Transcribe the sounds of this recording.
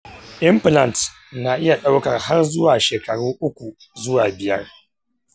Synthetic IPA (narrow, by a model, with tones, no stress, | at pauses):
ʔɪ˦mplɐ˨nt | na˨ʔɪ˦ja˨ɗa˦wkɐ˨rha˦rzʊ˦waː˨ʃeː˨kɐ˨ɽuː˦ʔʊ˦kʷu˨ | zʊ˦waː˨bɪ˨jɐ˦r